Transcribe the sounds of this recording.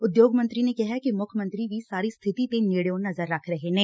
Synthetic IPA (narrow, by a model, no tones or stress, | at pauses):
ʊd̪joːɡmə̃nt̪ɾinekɛɦɛkimʊkʰjəmə̃nt̪ɾiʋʱisaːɾist̪ʰɪt̪it̪eneːɽejõnɐzəɾːɐkʰɾɐɦeɦɛ̃ː